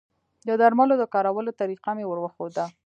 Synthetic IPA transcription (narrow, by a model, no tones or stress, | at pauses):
d̪əd̪aɾmalod̪əkɑɾawəlot̪aɾiqamewəɾwəxod̪a